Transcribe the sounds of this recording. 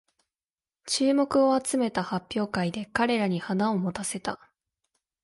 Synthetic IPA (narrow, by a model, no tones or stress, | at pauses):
t͡ɕɨːmo̞kɯ̟o̞at͡sɨme̞t̪ahapʲːjo̞ːkaid̪e̞kaɾe̞ɾaɲ̟ihanao̞mo̞t̪ase̞t̪a